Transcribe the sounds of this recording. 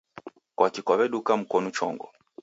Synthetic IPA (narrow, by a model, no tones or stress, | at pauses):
kwakikɔβɛɗukam̩kɔnut͡ʃɔ̰ŋɡɔ